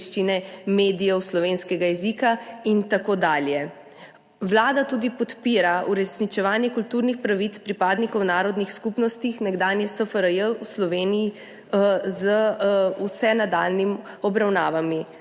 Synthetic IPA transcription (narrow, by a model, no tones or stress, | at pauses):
ʃt͡ʃinɛmeːd̪ijɛwslɔʋeːnskɛɡajɛzikaint̪akoːd̪aːljɛ | wlaːd̪at̪uːd̪ipɔt̪piːɾauɾɛsnit͡ʃɛʋaːnjɛkult̪uːɾnixpɾaʋit̪spɾipaːd̪nikɔwnaːɾɔd̪nixskupnɔst̪ixnɛɡd̪aːnjɛsəfəɾəjəwslɔʋeːniji | zəusɛnad̪aːlnim | ɔbɾawnaːʋami